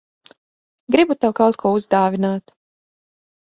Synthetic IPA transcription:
ɡɾibut̪awkawt̪̚kʰuɔuzd̪aːvʲinaːt̪

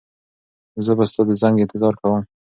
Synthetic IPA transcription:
zəbast̪ɑd̪əzaŋɡɪnt̪ɪzɑɾkawəm

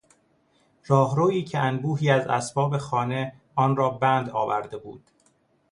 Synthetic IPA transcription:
ɾɒːɦɾoːiːcʰeʔænbuːɦiːæzæ̰sbɒːbe̞xɒːne̞ | ɒːnɾɒːbæːnd̪ɒːvæ̰ɾd̪e̞bṵːd̪̥

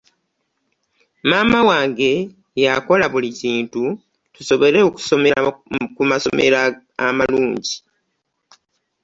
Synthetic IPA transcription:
maːmawaːŋɡe̞ | jako̞laβuliciːntu | tuso̞βo̞ɾe̞oku̥somekumaso̞̰me̞̰ɾaː | maluːɲɟi

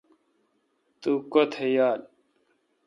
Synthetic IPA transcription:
t̪ukot̪ʰejaːl

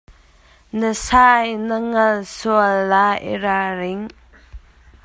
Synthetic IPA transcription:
nəsajnəŋɐlsuəlːaḭɾaɾiŋ

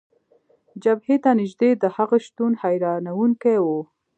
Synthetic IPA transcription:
d͡ʒabhet̪anɪʒd̪ed̪əhaɣaʃt̪unhajɾɑnawuŋkewo

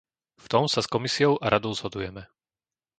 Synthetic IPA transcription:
ft̪ɔmsaskɔmisiɔʊʔaɾʔad̪ɔʊz̥ɦɔd̪ujɛmɛ

